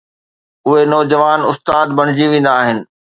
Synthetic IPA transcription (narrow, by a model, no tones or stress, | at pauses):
ʊɦenɔːd͡ʑɐʋaːnʊst̪aːd̪̚bɐɽ̤ɪ̆d͡ʑiʋẽːn̆d̪aːɦɪnɪ̆